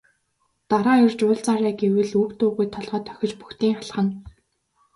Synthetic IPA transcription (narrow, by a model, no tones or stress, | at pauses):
t̪aɾaːjʊrt͡ɕʊːɮt͡saɾæːɡewɘ̆ɮukt̪ʊːʁujt̪ʰɔɮʁ̥œːt̪ʰːœ̥xʲɪ̆t͡ɕpu̥xt̪iːŋaɮχə̆n